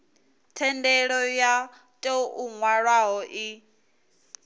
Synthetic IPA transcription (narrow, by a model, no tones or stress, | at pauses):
tʰɛndɛɺɔja | tʼɛuŋwaɺwaɦɔʔi